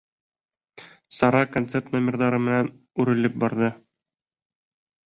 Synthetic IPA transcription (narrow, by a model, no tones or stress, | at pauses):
sɒɾɑkont̪se̞rt̪nomʲerðɑɾɤmɘ̆næn | ʉɾɘ̆lɘp̚bɒɾðɤ